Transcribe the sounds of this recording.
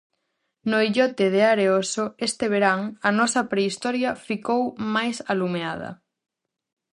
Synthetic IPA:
noiʎɔt̪eð̞eaɾeosoest̪eβeɾaŋɐnɔsɐpɾeist̪ɔɾjɐfikowmajsalumeað̞ɐ̰

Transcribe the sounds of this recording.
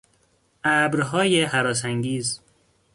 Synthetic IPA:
ʔæbɾɦɒːjeɦæɾɒːs̬æŋɡiːz

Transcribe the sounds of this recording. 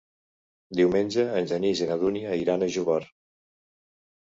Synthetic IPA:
d̪iwmenʲd͡ʒəːnʲʒənizenaðuniiɾanəʒuβɔɾ

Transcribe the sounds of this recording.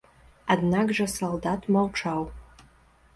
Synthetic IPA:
adnaɡʐasoldatʰmalʈ͡ʂʰaw

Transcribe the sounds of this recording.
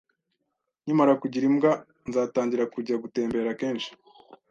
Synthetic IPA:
ɲimaɾakuɟiɾimɡa | nzaːtaːɲɟiɾakuɟaɡute̞ːmbe̞ːɾake̞ːnʃi̥

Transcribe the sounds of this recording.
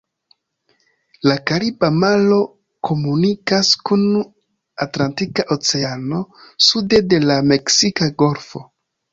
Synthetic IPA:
lakaɾibamalo̞ | kʰo̞munikaskun | atlantikaʔo̞t͡se̞ano̞sude̞de̞lame̞ksikaɡo̞ɾfo̞̰

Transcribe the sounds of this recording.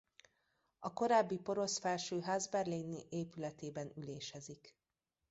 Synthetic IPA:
ɒko̞ɾaːbːipo̞ɾo̞sfɛlʃøːɦaːzbɛrliniʔeːpylɛt̪eːbɛnyleːʃɛzik

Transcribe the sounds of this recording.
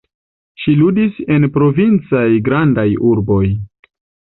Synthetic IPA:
ʃiludise̞npɾo̞vint͡sajɡɾandajuɾbo̞j

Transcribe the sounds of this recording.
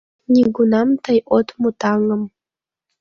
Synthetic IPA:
nʲiɡunɑmt̪ʰəjʔot̪mut̪ɑŋəm

